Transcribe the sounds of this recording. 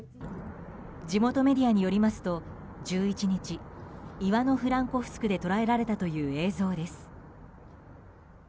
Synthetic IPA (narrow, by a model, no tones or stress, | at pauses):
d͡ʑimo̞t̪o̞me̞d̪ʲiaɲ̟ijo̞ɾʲimasɨ̥t̪o̞ | d͡ʑɨːit͡ɕiɲ̟it͡ɕiiβano̞ɸɯ̟ɾãŋko̞ɸɯ̥sɨ̥kɯ̟d̪e̞t̪o̞ɾae̞ɾaɾe̞t̪at̪o̞jɯ̟ːe̞ːzo̞ːd̪e̞sɨ̥